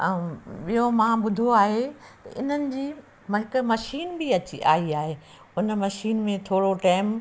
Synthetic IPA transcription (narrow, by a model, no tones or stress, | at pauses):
ɓijomãːɓʊd̪ʱoaːɦeɪn̤ənɪ̆d͡ʑiː | mɐɪkmɐʃiːnbiɐt͡ɕia̰ːiaːɦeː | ʊnmɐʃiːnmẽt̪ʰoːɽoʈaːm